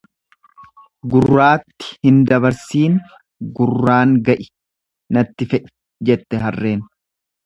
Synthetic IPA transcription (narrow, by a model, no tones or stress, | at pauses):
ɡʊrːaːt̪ːɪ̥hɪnd̪ɐβɐɾsiːn | ɡʊrːaːŋɡɐʔɪ̥ | nɐt̪ːɪfɛʔɪ̥ | d͡ʒɛt̪ːɛɦɐrːe̞ːn